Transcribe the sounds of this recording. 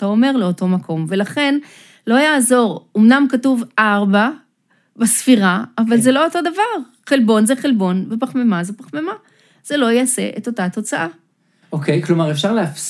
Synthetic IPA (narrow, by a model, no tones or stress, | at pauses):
tao̞me̞ʁleo̞to̞makʰo̞mve̞laχe̞n | lo̞jaːzo̞ʁumnamkatuvʔaʁba | basfiʁaːvalzelo̞oto̞davaʁ | χelbo̞nzeχelbo̞nbepaχmemazepaχmema | z̥e̞lo̞jease̞̰ʔeto̞tato̞t͡saʔa | okejklo̞maʁefʃaʁleaf